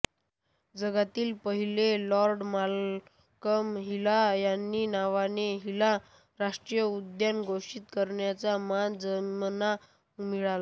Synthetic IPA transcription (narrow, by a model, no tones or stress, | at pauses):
d͡zəɡat̪iːlpəɦilelɔɾɖmal | kəmɦilajanːiːnaʋaneɦila | ɾaʂʈɾijəud̪janɡʱoʂiːt̪kəɾɳjat͡samand͡zənmna | miɭala